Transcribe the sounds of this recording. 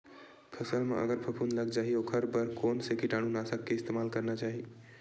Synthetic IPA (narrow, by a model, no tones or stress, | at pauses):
pʰəsəlmḛʔə̰ɡəɾpʰəpʰunləɡd͡ʒaɦiokʰəɾbəɾkonsekiʈañunasəkːeɪst̪emalkəɾnat͡ʃaɦi